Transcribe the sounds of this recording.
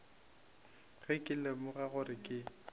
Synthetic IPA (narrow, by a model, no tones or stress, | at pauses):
ɣɪkʼɪlemʊɣaɣʊrɪkʼɪ